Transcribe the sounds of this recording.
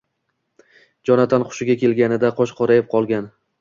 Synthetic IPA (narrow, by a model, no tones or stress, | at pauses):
d͡ʒɒnat̪ʰanqʰʊ̥ʃɪɡʲakʲʰe̞lɡʲanɪd̪aqʰɒʃqʰɒɾajɪp̚qʰɒlˠɡʲan